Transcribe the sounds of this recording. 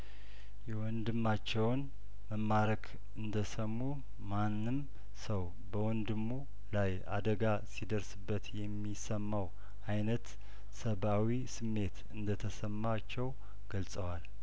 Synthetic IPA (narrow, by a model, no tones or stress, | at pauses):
jɛwɔnd̪ɨmːat͡ʃːɛwn | məmːaɾəkʰ | ɨnd̪əsəmːu | manːɨm | səw | bəwɔnd̪ɨmːu | laj | a̰d̪əɡa | sid̪əɾsɨbːət̪jɛmːisəmːaw | ʔajnət̪ | səβawisɨmːe̞t̪ɨnd̪ət̪ʰəsəmːat͡ʃːɛw | ɡ̥əlsʼəwal